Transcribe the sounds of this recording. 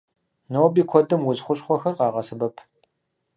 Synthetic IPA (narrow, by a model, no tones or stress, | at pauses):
noːbiːkʷʰɔdɨmwʊzχʷʊɕʼχʷɔxɐrqɑːʁɐsɨbɐpʰ